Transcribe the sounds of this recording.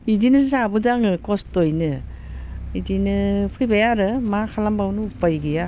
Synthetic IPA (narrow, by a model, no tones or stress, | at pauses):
idinɯs̬abɯdaŋɯkɔstojnɯ | idinɯpʰɯjbajaɾɯmakʰalambawnɯupajɡija